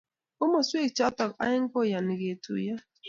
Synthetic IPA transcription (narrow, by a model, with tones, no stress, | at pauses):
ʊ˦mɔ˨swe˦˨kt͡ʃa˦tɔ˨ka̰˦ɲɪ˦ŋ̩˦ko˦˨ja˨nɪ˨ɣe˨tṵ˨ja˦